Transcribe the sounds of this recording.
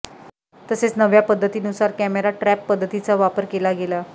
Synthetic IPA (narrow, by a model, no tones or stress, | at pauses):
t̪əset͡snəʋjapəd̪ʱːət̪iːnusaɾkæmeɾaʈɾɛpːəd̪ʱːət̪it͡saʋapəɾkelaɡela